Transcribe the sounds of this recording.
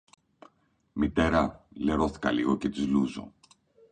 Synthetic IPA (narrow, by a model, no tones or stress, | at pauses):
mit̪e̞ɾɐle̞ɾo̞θi̥kɐliɣo̞ce̞t̪izluzo̞̰